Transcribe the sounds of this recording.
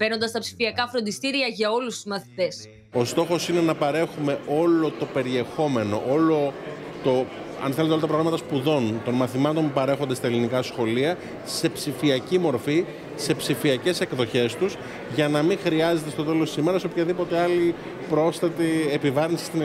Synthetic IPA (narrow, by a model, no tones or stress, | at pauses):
v̥enond̪ɐst̪ɐpsi̥fiɐkɐfɾo̞nd̪ist̪iɾiɐʝɐo̞lust̪uzmɐθi̥t̪e̞s | o̞st̪o̞xo̞sine̞nɐpɐɾe̞xume̞o̞lo̞t̪o̞pe̞ɾie̞xo̞me̞no̞̰ʔo̞lo̞ | t̪o̞ | ɐ̰nθelt̪olɐt̪pɾɣɾamɐt̪ɐspuðo̞nt̪o̞nmɐθimɐt̪o̞npupɐɾe̞xo̞nd̪et̪ɐe̞linikɐsxo̞liɐ | se̞psifiɐcimo̞ɾfi | se̞psifiɐce̞se̞kðo̞çe̞st̪us | ʝɐnɐmiŋxɾiɐze̞t̪e̞st̪o̞t̪e̞lost̪isime̞ɾɐsopçɐðipo̞t̪e̞ɐli | pɾo̞sθɐt̪iepivɐɾinsi̥st̪in